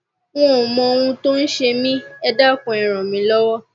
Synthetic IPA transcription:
w̃ɔ̃˦ɔ˨mɔ̃˧o˧w̃ũ˧to˦n̩˦ʃe˧mĩ˦ɛ˧da˦˨kɔ̃˨˧ĩ˨ɾ̃ɔ̃˨mĩ˨˧˦lɔ˦wɔ˦

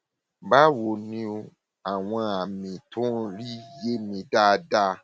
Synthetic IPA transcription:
ba˦wo˨nĩ˧o˧ | a˨w̃ɔ̃˧a˨mĩ˨tũ˦˧ɾi˦˨je˦mĩ˧da˦˧da˦

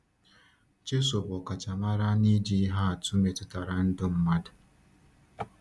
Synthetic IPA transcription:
t͡ʃe˦so˨bɔ˨ka˨t͡ʃa˨ma˦ɾa˦ni˦di˦ɦa˦a˨tu˦me˨tʊ˨ta˨ɾa˨n̩˦dʊ˦m̩˦ma˦dʊ˨

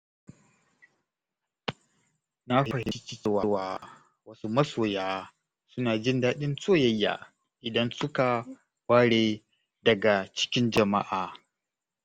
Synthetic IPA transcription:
na˦ɸhɪɐ˨hɪ˨i˦t͡ʃɪ˦swa˨˦waː˦ | wɐ˦su˦mɐ˦soː˨jaː˦ | sʊ˦naː˨d͡ʒɪ˦ndaː˦ɗɪ˦nsʼoː˦˨jɐ˦jːa̰ː˨ | ʔɪ˨dɐ˦nsʊ˦ka˨ | waː˦ɽe˨ | dɐ˨ɡa˨t͡ʃɪ̥˦kʲɪ˦nd͡ʒɐ˨ma̰˦ʔaː˨

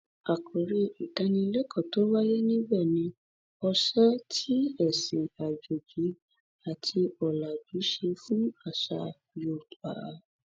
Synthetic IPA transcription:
a˨kʰo˨ɾe˧i˨kã˧nĩ˧lɛ˦kʰɔ̃˦˨to˨˦wa˦je˦nĩ˦ɡ͡bɛ˦˨nĩ˧ | ɔ˧ʃa˦tʰi˦ɛ˦˨si˨a˨d͡ʒo˨d͡ʒi˨˦ | a˨tʰi˧ɔ˨la˨bi˨˦ʃe˧fũ˦a˦˨ʃa̰˧ | jo˧˨k͡pa̰˨˦

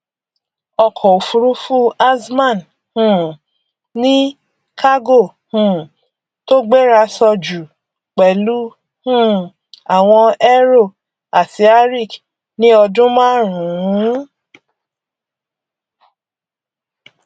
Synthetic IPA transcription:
ɔ˧kʰɔ˨o˨fu˧ɾu˦fu˦a˦smã˦˨n | hũ˦˨ | nĩ˦ | kʰa˦ɡo˦˨ | hũ˨ | to˦ɡ͡be˦ɾa˧sɔ˧d͡ʒu˨ | k͡pɛ˨lu˦ | hũ˦˨ | a˨w̃ɔ̃˧ɛ˦ɾo˦˨ | a˨ti˧a˦ɾi˦˨k | nĩ˦ɔ˧dũ˦mãː˦˨˦ɾũ˨˦

